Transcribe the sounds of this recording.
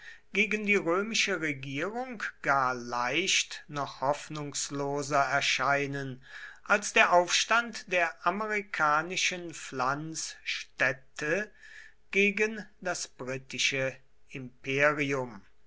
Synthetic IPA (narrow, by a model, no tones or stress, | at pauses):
ɡ̥eːɡəndiːʁøːmɪʃəʁeɡiːʁʊŋkɡ̥aːɐlaɪʃtnɔχhɔfnʊŋsloːzɐɛɐʃaɪnənʔalsd̥eːɐʔaʊfʃtantd̥eːɐʔamɛʁikʰaːnɪʃənflansʃtɛtʰə | ɡ̥eːɡəndasb̥ʁiːtɪʃə | ɪmpeːʁiʊm